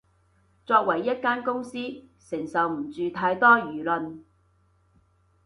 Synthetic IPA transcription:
t͡sɔː˧k̚wɐ˨˩jːɐ˥t̚kaː˥nkʊ˥ŋsiː˥ | sɪ˨˩ŋsɐ˨wm̩˨˩t͡syː˨t̪ʰaː˧˥jt̪ɔː˥jyː˨˩lɵ˨n

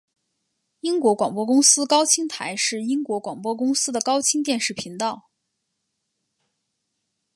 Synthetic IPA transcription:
i˥ŋkwɔ˧˥kwa˨˩ŋpwɔ˥kʊ˥ŋsɹ̩˥kɑ˥ʊt͡ɕʰi˥ŋt̪ʰa˧˥ɪʂɻ̩˥˩i˥ŋkwɔ˧˥kwɑ˨˩ŋpwɔ˥kʊ˥ŋsɹ̩˥d̪ə˨kɑ˥ʊt͡ɕʰi˥ŋt̪jɛ˥˧nʂɻ̩˥˩pʰi˧˥ŋt̪ɑ˥˩ʊ

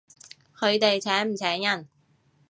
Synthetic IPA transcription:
kʰɵ˨˧ɥt̪e˨jt͡sʰɛː˨˥ŋm̩˨˩t͡sʰɛː˨˥ŋjɐ˥n

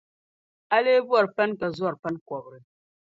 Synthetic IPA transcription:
a˦le˦bwa˨ɾpɛ˦nka˨zwa˦˨ɾpɛ˦nkwɔ˨b̚ɾi˦˨

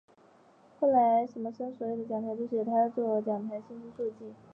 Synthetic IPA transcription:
xo˥˩ʊla˧˥ɪʂə˧˥nmə˧ʂə˥ŋswɔ˧˥jo˨˩ʊd̪ə˩t͡ɕjɑ˨˩t̪ʰt͡ɕo˥˧˩ɕt̪ʰa˥t͡swɔ˥˩t͡ɕjɑ˨˩ŋt̪ʰa˧˥ɪɕi˥nɕi˥ʂu˥˧t͡ɕi˥˩

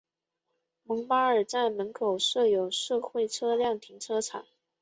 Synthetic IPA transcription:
mɤ˧˥ŋpa˥ə˞˨˩t͡sa˥˩ɪmə˧˥nkʰo˨˩ʊʂɤ˥˩jo˨˩ʊʂɤ˥˧xwe˥˩ɪʈ͡ʂʰɤ˥ljɑ˥˩ŋt̪ʰi˧˥ŋʈ͡ʂʰɤ˥ʈ͡ʂʰɑ̰˨˩˦ŋ

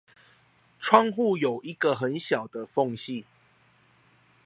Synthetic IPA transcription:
ʈ͡ʂʰwɑ˥˧ŋxu˥˨jo˨˩ʊʔi˧˦ɡə˨xə˨˦nɕjɑ˨˩ʊd̪ə˦fɔ˥˧ŋɕi˥˨

